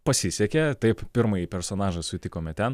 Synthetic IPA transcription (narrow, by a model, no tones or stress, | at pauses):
pɐsʲɪsʲɛkʲɛt̪ɐɪppʲɪɾmɐjipʲɛɾsoːnɑːʒɐsʊt̪ʲɪkoːmʲɛt̪ʲɛn